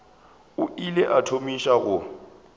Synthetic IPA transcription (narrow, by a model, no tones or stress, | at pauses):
ʊileʔatʰomiʃaɣʊ